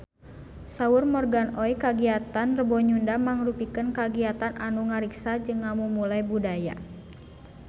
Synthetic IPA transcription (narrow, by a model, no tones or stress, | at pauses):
saurmɔrɡanɔikaɡiat̪anrəbɔɲundamaŋrupikənkaɡiat̪anʔanuŋaɾiksad͡ʒɨŋːamumulaibudaja̰